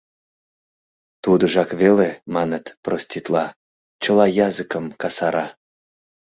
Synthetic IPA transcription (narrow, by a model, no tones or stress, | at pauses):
t̪ud̪ə̆ʒɑkβelemɑnət̪prosʲt̪ʲit̪lɑ | t͡ɕəlɑjɑzɨkəmkɑsɑɾɑ